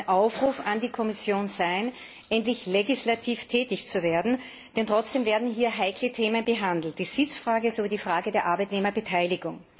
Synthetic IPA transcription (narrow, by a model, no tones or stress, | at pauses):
nʔaʊfʁuːfandiːkʰɔmɪsjoːnzaɪn | ʔɛntlɪçleɡɪslatʰiːftʰɛːtɪçt͡suveːɐdn̩ | d̥ɛntʁ̥ɔt͡sd̥eːmveːɐdn̩ɦiːɐɦaɪkʰlətʰeːmənbəɦandl̩t̚d̥iːz̥ɪt͡sfʁaːɡəzoviːdiːfʁ̥aːɡədeːɐʔaɐbaɪtneːmɐbətʰaɪlɪɡʊŋ